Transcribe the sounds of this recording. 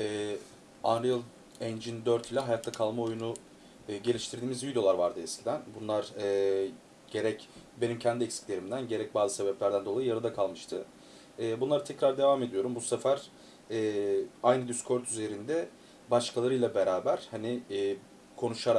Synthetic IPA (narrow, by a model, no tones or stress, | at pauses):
ɛː | anɾijɯlˠ | ɛnd͡ʒind̪øɾt̪ʰilʲaɦajat̪ʰːakʰalˠmao̞junu | ɯːɟe̞lʲiʃt̪ʰiɾd̪iːmizvid̪o̞aɾvaɾd̪ɯɛscʰid̪ænbunlˠaɾɯː | ɟ̥e̞ɾɛcbe̞nimcʰɛnd̪iɛcsi̥clʲe̞ɾimd̪ænɟe̞ɾɛc̚baːzɯse̞bɛplʲæɾd̪ænd̪o̞lˠajɯjaɾɯd̪akʰalˠmɯʃt̪ʰɯ | ɛːbunlˠaɾɯt̪ʰɛcɾaɾd̪e̞vaːmed̪ijo̞ɾumbusefæɾ̥ | ɛːajnɯd̪yskʰo̞ɾt̪ʰyze̞ɾind̪ɛ | baʃkʰalˠaɾɯjlˠabeɾaːbæɾ̥haniː | kʰo̞nuʃaɾa